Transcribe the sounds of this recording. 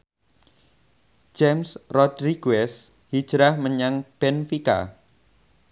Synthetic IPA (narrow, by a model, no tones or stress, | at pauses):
d͡ʒemsrɔdɾiɡ̥uɛs | hi̥ʒ̥ɾahməɲaŋb̥ɛnfika̰